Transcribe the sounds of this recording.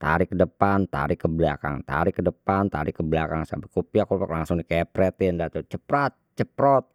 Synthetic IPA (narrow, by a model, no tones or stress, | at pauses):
t̪a̰ɾɪkːədəpant̪a̰ɾɪkəbəlaka̰ŋt̪a̰ɾɪkːədəpant̪a̰ɾɪkːəblakaŋsa̰bakopiakopaklaŋsʊŋdikɛpɾɛt̪ɪndat̪ot͡ʃəpɾat̪̚t͡ʃəpɾɔt̪̚